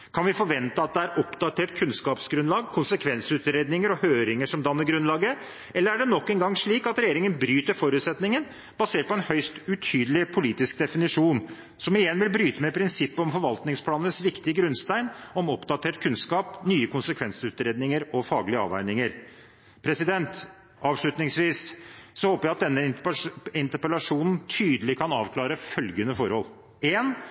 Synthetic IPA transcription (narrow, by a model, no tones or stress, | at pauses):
kʰɑnʋɪfɔɾʋɛnt̪əɑt̪̚d̪ɛæɾɔpd̪ɑt̪ʰeːʈ̚kʰʉnskɑːpsɡɾʉnlɑːɡkʰʊnsəkʰʋɛnsʉːt̪ɾeːd̪nɪŋəɾɔhøːɾɪŋəʂɔmd̪ɑmnəɾɡɾʉnlɑːɡə | ɛlːəɾæɖɛnɔkːɛnɡɑŋːʂɭiːkɑt̪ɾɛjeːɾɪŋənbɾyːt̪əɾfɔɾʉːt̪sɛt̪nɪŋən | b̥ɑseːʈ̚pɔɛnhœʏst̪ʉt̪ʰyːd̪əlɪpʰʊliːt̪ɪsk̚d̪ɛfɪnɪʂuːn | sɔmɪjɛnːʋɪlbɾyːt̪əmɛpʰɾɪnsɪpːəɔmfɔɾʋɑlt̪nɪŋspʰlɑːnənəsʋɪkt̪ɪəɡɾʉnst̪æɪnɔmɔpd̪ɑt̪ʰeːʈkʰʉnskɑːpnyːəkʰʊnsəkʰʋɛnsʉːt̪ɾeːd̪nɪŋəɾɔfɑːɡlɪəɑ̰ːʋæ̰ɪnɪŋəɾ | pʰɾɛsɪd̪ɛnt̪ | ʔɑːʋʂlɭʉt̪nɪŋsʋiːssɔhoːpəɾjæɪɑt̪̚d̪ɛnːə | ɪnt̪əɾpəlɑʂuːnn̩t̪ʰyːd̪əlɪkʰɑnɑːʋkʰlɑːɾəfœlɡənəfɔɾhɔl | eːn